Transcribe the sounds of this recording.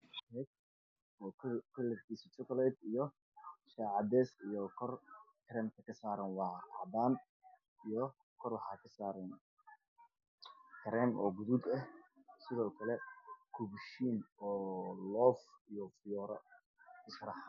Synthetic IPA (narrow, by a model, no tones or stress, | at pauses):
ɛt̚ | ɔːkʰɐlɛrkʰiːsit͡ʃɔkʰɔlɛːd̪ijɔ | ʃaʕɑd̪ɛːsijɔkʰɔrk̪ʰɾɛnkʰɐkʰɐsaːɾɐnwɑɑʕd̪aːn | ijɔ | kʰɔrwɑħɑːkʰɐsaːɾɛn | k̪ʰɐɾɛnʔɔːɡʊðud̪ɐhsɪðɔːkʰɐlɛkʰʊbʃiːnɔːlɔːfijɔfɪjɔːɾɐ̰ | ɪʃrɑħ